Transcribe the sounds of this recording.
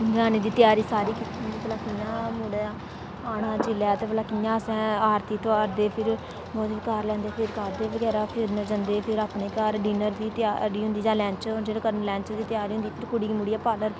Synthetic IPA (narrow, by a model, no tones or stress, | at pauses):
d͡ʒaːneːd̪iːt̪ɪjaːɾiːsaːɾiːkɪt̪ːiːɦʊ̃nd̪iːbəlaːkɪjãːmʊɽeaː | aːɽãːt͡ʃɪljaːt̪eːpəlaːkijãːəsɛ̃ːaːɾt̪iːt̪oaːɾd̪eːpʰɪɾ | bɔːt̪ʋiːkaːɾlɛ̃ːnd̪eːpʰɪɾkəɾd̪eːʋəɡɛːɾaːpʰɪɾnəd͡ʒənd̪eːpʰɪɾaːpɳeːkaːɾɖiːnəɾd̪iːt̪a̰ːɾiːɦʊ̃nd̪iːd͡ʒãːlɛ̃ːt͡ʃd͡ʒeːleːkəɾnlɛ̃ːɲt͡ʃd̪iːt̪ɪjaːɾiːɦʊnd̪iːpʰɪɾkʊɽiːmuɽijaːpaːləɾ